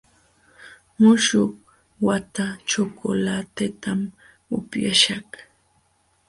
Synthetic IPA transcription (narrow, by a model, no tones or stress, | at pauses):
mʊʃʊh | wat̪at͡ʃokʊlat̪et̪am | ʊpjaʃah